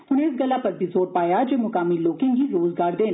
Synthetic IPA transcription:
ʊnɦeːɪsɡɐlːapɐɾbʱizoːɾpaːjad͡ʒeːmʊkaːmiloːkɪ̃ŋɡiɾoːzɡaːɾd̪ẽːn

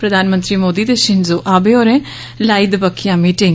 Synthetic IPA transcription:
pɾəd̪ʱaːnmənt̪ɾiːmoːd̪iːt̪eʃɪnzoːʔaːbeːoːɾẽː | laːid̪bəkʰːɪjãːmiːʈɪŋ

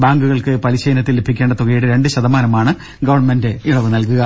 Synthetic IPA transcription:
baːŋɡuɣɐɭkɨpɐliɕɐjɐnɐt̪ːilːebʱikʲːe̞ːɳɖɐt̪uɣɐjiɽɨɾe̞ɳɖɨɕɐðɐmaːnɐmaːɳɨ | ɡɐʋɐrɳme̞ndeiɭɐʋɨnɐlkuɣɐ

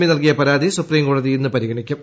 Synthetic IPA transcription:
minɐlkijɐpɐɾaːðisupriːmkoːɽɐðijinːɨpɐɾiɣɐɳikʲːum

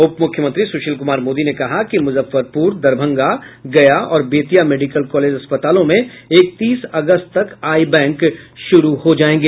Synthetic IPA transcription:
ʊpmʊkʰjəmə̃nt̪ɾisuːʃəlkʊmaːɾmoːd̪inekɐɦakimʊzəfːəɾpuːɾd̪ɐɾbʱə̃ŋɡaɡɐjaɔ̰ːɾbeːt̪ijameːɖikəlkɔːleːd͡ʒɐspət̪aːlõmẽeːk̚t̪iːsɐɡəst̪t̪ɐkaːibɛ̃ːŋkʃʊɾuhod͡ʒaːẽːŋɡeː

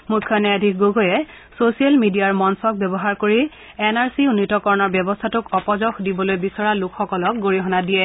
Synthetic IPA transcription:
mukʰːjɔnɛadʱikɡoɡojɛ | sosijalmidijaɹmɔnsɔk̚bɛbɔɦaɹkoɹi | ɛnaɹsiunːitɔkɔɹɔnɔɹbjɔbɔstʰatʊkɔpɔzɔxdibɔlojbisɔɹalʊkʰxɔkɔlɔk̚ɡoɹiɦɔnadijɛ

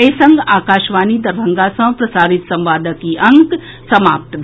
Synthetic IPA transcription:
esɐŋɡaːkaːʃʋaːnid̪ɐɾbʱəŋɡasɐ̃pɾɐsaːɾɪt̪sɐ̃mʋaːd̪əkiʔɐŋk | sɐma̰ːp̚t̪dʱ

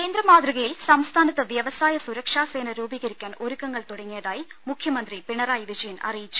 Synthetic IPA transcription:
keːnd̪ɾɐmaːd̪riɣɐjilsɐmst̪ʰaːnɐt̪ːɐʋjɐʋɐsaːjɐsuɾɐkʂaːse̞ːnɐɾuːbiːɣɐɾikʲːaːnoɾukːɐŋːɐɭt̪oɽɐŋːijɐðaːjimukʰjɐmɐnd̪ripiɳɐɾaːjʋid͡ʑɐjɐnɐ̰rijit͡ɕːu̥

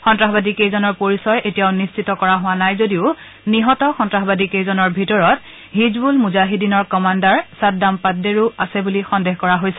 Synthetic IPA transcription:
xɔntɹaɦɔbadikejzɔnɔɹpoɹisɔɹetijaʊnist͡ʃʰitɔkɔɹaɦʊwanajzodiʊ | niɦɔtɔxɔntɹaɦbadikejzɔnɔɹbʱitɔɹɔt̚ | ɦizbulmuzaɦidinɔɹkɔmandaɹsat̚dampat̚deɹuasɛbulixɔndeɦkɔɹaɦojsɛ

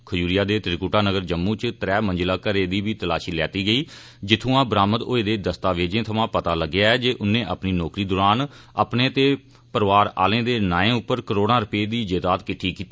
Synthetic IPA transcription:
kʰəjuːɾɪjaːd̪eːt̪ɾkuːʈaːnəɡəɾd͡ʒəmːũːt͡ʃt̪əɾɛːmə̃nd͡ʒlaːkəɾeːd̪iːʋiːt̪əla̰ːʃiːlɛːt̪iːɡəiː | d͡ʒɪt̪ʰũːãːbɾaːmət̪oːeːd̪eːd̪əst̪aːʋeːd͡ʒẽːt̪ʰəmãːpət̪aːləɡːɪjaːɛːd͡ʒeːʔʊnẽːʔəpniːnɔːkɾiːd̪oːɾaːnə̰pneːt̪eː | pəɾʋaːɾa̰ːlẽːd̪eːnaːẽːʊpːəɾkəɾoːɽ̃ãːɾʊpeːd̪iːd͡ʒeːd̪aːt̪kɪʈʰːiːkiːt̪i

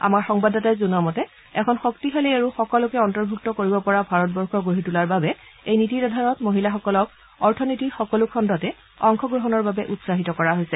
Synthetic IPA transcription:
a̰maɹxɔŋbadɔtajzunamɔtɛ | ɛkʰɔnxɔktiɦalejaɹuxɔkɔlʊkɛɔntɔɹbʱuk̚tɔkoɹibɔpɔɹabʱaɹɔtbɔɹxɔɡoɦitulaɹbabɛ | ejnititadʱaɹɔtmoɦilaxɔkɔlɔk̚ | ɔɹtʰɔnitixɔkɔlʊkʰɔndɔtɛ | ɔŋkʰɔɡɹɔɦɔnɔɹbabɛʔutsaɦitɔkɔɹaɦojsɛ

